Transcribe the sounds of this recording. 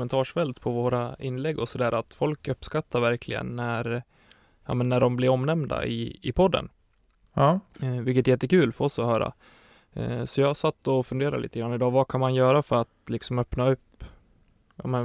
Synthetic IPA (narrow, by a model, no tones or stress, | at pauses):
mɛnt̪ʰɑːʂfɛlt̪pʰɔvoːɾaɪnːlɛɡːɔsɔd̪æːɾat̪fɔlkɵpːskat̪ʰːaɾvæɾkʰlɪɡə̰nːæɾ | jɑ̰ːmɛnːæɖɔmblɪɾɔmnɛmd̪a̰ɪ̰ɪpʰɔd̪ːə̰n | vɪlkət̪jɛt̪ːəkʉ̟ːlfœɾɔsːɔhœːɾa̰ | sɔjɑsat̪ːɔfɵnd̪eːɾa̰lḭːt̪əɡɾanːɪd̪ɑːvakʰanmanjœːɾafœɾat̪lɪksɔmœpnaɵpː | jɑ̰ːmɛn